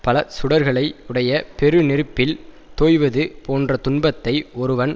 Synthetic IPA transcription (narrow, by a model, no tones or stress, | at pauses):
pɐlɐsʊɽɐɾɣɐɭɐɪɯɽɐjɐpɛɾɯnɪɾɯpːɪl | t̪oːjʋɐðɯpoːndrɐt̪ʊnbɐt̪ːɐɪɔɾɯʋɐn